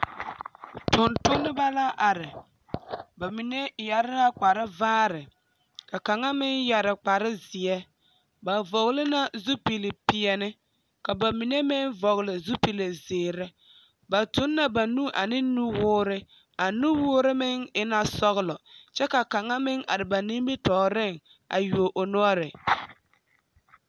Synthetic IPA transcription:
tʊ˨ntʊ˦nːɪ˦ba˦la˦ʔa˨ɾɪ˨ | ba˨mi˨ne˦ja˨ɾɪ˦ɾa˦k͡pa˨ɾɪ˦vaː˦ɾɪ˨ | ka˨ka˨ŋa˦mɪ˦nja˨ɾɪ˨k͡pa˨ɾɪ˦zɪ˨ɛ˦ | ba˨vɔ˨ɣlɪ˦na˦zu˦pi˨lɪ˨pi˨ɛ˨nɪ˦ | ka˨ba˨mi˨ne˦mɪ˦nvɔ˨ɣlɪ˨zu˦pi˨le˨zɪː˨ɾɛ˦ | ba˨tʊ˨˦nːa˨ba˨nu˦ʔa̰˨nɪ˦nu˦wʊː˦ɾɪ˦ | a˨nu˦wʊː˦ɾɪ˦mɪ˦ŋɪ˦na˦sɔ˦ɣlɔ˨t͡ʃɛ˦ka˨ka˨ŋa˦mɪ˦ŋa̰˨ɾɪ˨ba˨ni˦mbi˦tɔː˨ɾɪ˦˨ŋ | a̰˨ju˨o˨ʔo˨no˦ɔ˦ɾɪ˨

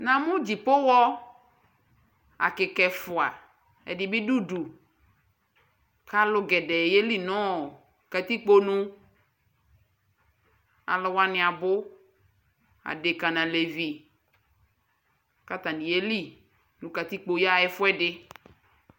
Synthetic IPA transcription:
nã˨mʊ̃˦d͡ʒi˨pʊ˦wɔ˦ | a̰˨kɪ˨kɛ˨fʊ˨a˨ | ɛ̰˨dɪ˨bɪ˦du˦du˨ | ka˦lʊ˦ɡɛ˨dɛ˨je˦li˦nɔ̃˦˨ | ka˨t̪i˦k͡po˦nũ˦ | a̰˨lʊ˨wa˦nɪ̃˨a˨bʊ˦ | a̰˨dɪ˨ka˨nã˨le˨vi˨ | ka˦t̪a˨nĩ˨je˦li˦˨ | nũ˨ka˨t̪i˦k͡po˨ja˦˨ɛ˦fʊ˦ɛ˦dɪ˦

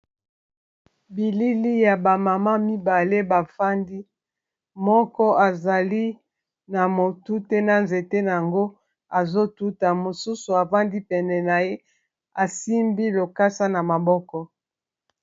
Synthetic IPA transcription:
bi˨li˦li˦ja˨ba˨ma˨ma˦mi˦ba˨le˦ba˨fa˦ndi˦ | mɔ˦kɔ˦a˨za˨li˦ | na˨mo˨tu˦tɛe˦na˨nze˨te˦na˨a˨ŋɡo˦ | a˨zo˦tu˦ta˨mo˨su˦su˨a˨va˦ndi˦pɛ˨nɛ˨na˨je˦ | a˨si˦mbi˦lo˨ka˦sa˦na˨ma˨bɔ˦kɔ˦

